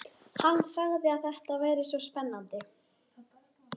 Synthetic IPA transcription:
hanːsaɣðɪaθɛht̪avaːjɾɪsvɔspɛnːant̪ɪ

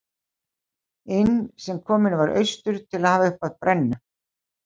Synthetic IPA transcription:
ɪnsɛmkʰɔːmɪnvaɾʔœ̰ɥst̪ʏɾ̥t̪ʰɪlaðhaːvaʏhpaðpɾɛnːʏ

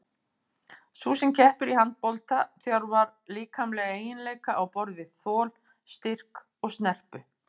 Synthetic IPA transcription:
susɛmcʰɛhpʏɾihant̪̚pɔlt̪aθjawɾvaɾliːkʰamlɛːɣaeːjɪnleːjkaʔawpɔɾðɪɪðθɔːl | st̪ɪr̥k | ɔɣst̪nɛr̥pʏ

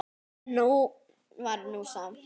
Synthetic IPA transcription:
no | ʋaɾnosaːm

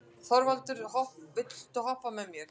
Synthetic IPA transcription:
θɔɾvalt̪ʏɾhɔhpvɪt̪l̥t̪ʏɦɔhpːamɛmjɛɾ̥

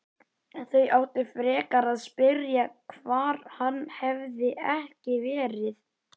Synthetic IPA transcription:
ɛnθœɥjʔawht̪ɪfɾɛːkaɾaðspɪɾjakʰvaːɾ̥hanːhɛvðɪʔɛhcɪvɛːɾɪθ

